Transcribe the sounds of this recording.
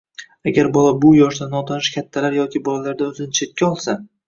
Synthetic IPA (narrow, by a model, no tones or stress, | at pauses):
aɡʲaɾbɒlabʊjɒʃd̪anːɒt̪ʰanɪʃkʲʰat̪ʰːalaɾjɒkʲɪbɒlalaɾd̪aɵzɪnɪt͡ʃʰe̞t̪̚kʲaɒlˠsa